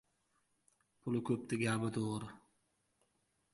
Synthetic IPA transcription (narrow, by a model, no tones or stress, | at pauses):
pʰʊlˠɪkʰʲɵp̚t̪ɪɡʲabɪd̪oʁɾɪ